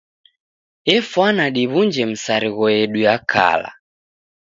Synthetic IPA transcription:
jɛfwanaɗiβund͡ʒɛm̩saɾiɣɔjɛɗuakʰa̰la̰

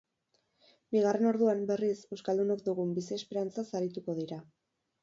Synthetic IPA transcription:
biɣ̞are̞no̞ɾðuambe̞rise̞wskald̪unokd̪uɣumbisiespe̞ɾant͡sasaɾit̪uko̞ðiɾa

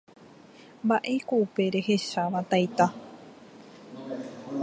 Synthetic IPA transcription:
mbaʔe̞koupe̞ɾe̞he̞ʃaʋat̪ajt̪a

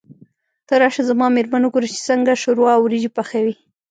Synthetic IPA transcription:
t̪əɾɑʃazamɑmeɾmanuɡoɾət͡ʃe̥səŋɡaʃʊɾwɑwɾid͡ʒipaxawi

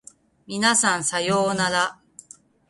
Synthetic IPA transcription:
mʲinasãñsajoːnad̪a

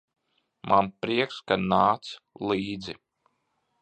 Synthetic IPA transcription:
mʔanpɾiɛkskanaːt̪slˠiːd̪zi

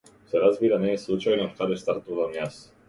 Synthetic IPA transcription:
sɛɾazbiːɾanɛslˠut͡ʃajnokad̪ɛst̪aɾt̪uvamjas

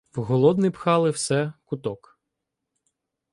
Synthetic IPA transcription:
wɦɔlˠɔd̪nɪpxɑlˠɪwsɛkʊt̪ɔk

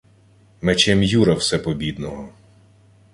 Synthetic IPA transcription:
met͡ʃɛmjuɾɐwsɛpɔbʲid̪nɔɦɔ

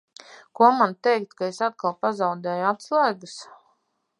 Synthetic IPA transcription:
kuɔmant̪ɛjk̚t̪kaesat̪̚kalˠpazawd̪ɛːjuat̪slˠajɡəs

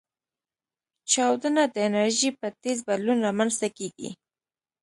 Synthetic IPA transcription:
t͡ʃɑwd̪ənad̪əɪnaɾʒipət̪ezbad̪lunɾamanzt̪akeɡḭ

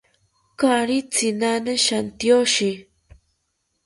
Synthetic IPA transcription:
kaɾit͡sinanaʃant̪joʃi

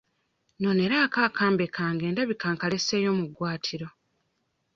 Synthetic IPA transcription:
no̞ne̞ɾaːkaːkʰaːmbe̞kaːŋɡe̞ːndaβikaːŋkale̞seːjo̞ːmuɡwaːtʰiɾo̞

